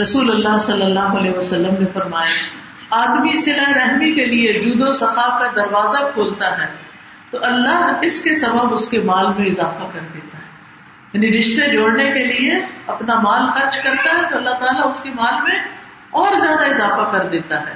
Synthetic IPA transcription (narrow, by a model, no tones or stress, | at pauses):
ɾɐsuːlʊlːasɐlːəlːaːɦoɐleːʋɐsɐlːəmnefɐɾmaːja | aːd̪misɪlaeɾɛɦmikelied͡ʒuːd̪osɐxaːkad̪ɐɾʋaːzakʰoːlt̪aɦɛː | t̪oʔɐlːaɦɪskesɐbəbʊskemaːlmẽɪzaːfakɐɾd̪eːt̪aɦɛː | jaːniɾɪʃt̪ed͡ʒoːɽnekelieɐpnamaːlxɐɾt͡ʃkɐɾt̪aɦɛt̪oɐlːat̪aːlaʊskemaːlmẽ | ɔːɾzjaːd̪aɪzaːfakɐɾd̪eːt̪aɦɛː